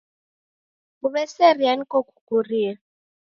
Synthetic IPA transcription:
uβɛsɛrianikɔkukuriːa

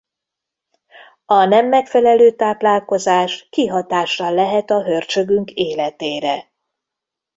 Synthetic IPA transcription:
ɒnɛmːɛkfɛlɛløːt̪aːplaːlko̞zaːʃkiɦɒt̪aːʃːɒlɛɦɛt̪ɒɦø̞rt͡ʃø̞ɡyŋkʰeːlɛt̪eːɾɛ

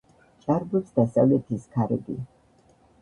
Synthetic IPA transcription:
t͡ʃʼaɾbupsd̪asa̰vlɛt̪ʰiskʰaɾɛb̪ḭ

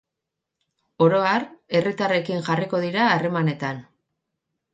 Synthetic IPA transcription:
o̞ɾo̞are̞rit̪are̞kiŋʝariko̞ðiɾaːre̞mane̞t̪an

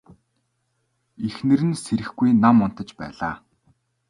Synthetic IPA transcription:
exnɘ̆ɾɘ̆nseɾɘ̆xɡujnamːɔn̥t̪ə̆t͡ɕpæ̰ːɮaː

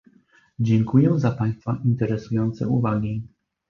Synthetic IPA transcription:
d͡ʑɛŋkujɛzapaj̃st̪faʔint̪ɛɾɛsujɔnt̪sɛ̰uvaɡʲi

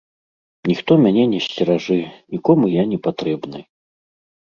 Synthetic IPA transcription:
nʲixt̪ɔmʲanʲɛnʲɛsʲt͡sʲɛɾaʐɨnʲikɔmujanʲɛpat̪ɾɛbnɨ

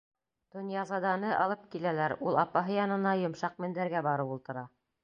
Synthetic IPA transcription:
t̪ŏnjɑzɑd̪ɑnɤʔɑlˠɤp̚kilælæɾulˠɑpɑɦɤjɑnɤ̆nɑjŏmʃɑq̚mɘ̆nd̪æɾɡæbɑɾɤpulˠt̪ɤ̆ɾɑ

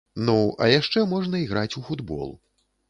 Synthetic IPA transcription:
nuɐ̰jaʂt͡ʂɛmɔʐnɐiɣɾat͡sʲufud̪bɔ̰lˠ

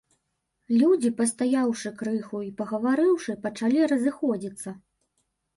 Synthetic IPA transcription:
lʲud͡zʲipɐst̪ajawʂɨkɾɨxuipɐɣɐvaɾɨwʂɨpɐt͡ʂalʲiɾɐzɨxɔd͡zʲit̪sːɐ

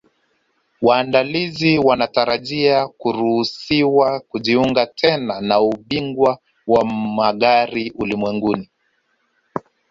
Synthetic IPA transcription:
waːndaliziwanataɾaʄiakuɾuhusiwakuʄiuŋɡatʰɛnanauɓiŋɡwa | wamaɠaɾiulimwɛŋɡuni

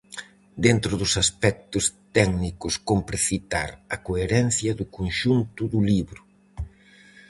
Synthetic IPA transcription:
d̪ent̪ɾʊðʊsaspɛk̚t̪ʊst̪ɛknikʊskompɾeθit̪a̰ɾɐkoeɾɛnθjɐðʊkonʃunt̪ʊðʊliβɾʊ

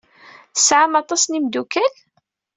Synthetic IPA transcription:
θsʕamɑt̪ˤɑsnimd̪ukæl

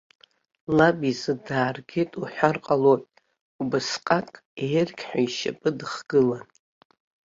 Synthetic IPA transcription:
labizɨdaːrɡʲɪtʼuħʷᶣarqʼaloʔʼ | ubɨsqʼakʼerɡʲʰħʷᶣaiʃa̰pʼɨdɨχɡ̥ɨlan

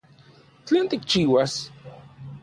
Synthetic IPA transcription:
t͡ɬeːnt̪ik̚t͡ʃiːwas

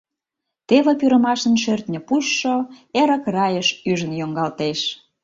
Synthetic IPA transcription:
t̪eβə̆pyɾə̆mɑʃənʃørt̪nʲə̆puʃːoeɾə̆krɑjəʃyʒənjoŋɡɑlt̪eʃ

